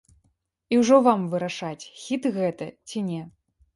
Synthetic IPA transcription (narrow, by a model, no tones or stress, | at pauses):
iwʐɔvamvɨɾaʂat͡sʲxʲit̪ɣɛt̪ɐt͡sʲinʲɛ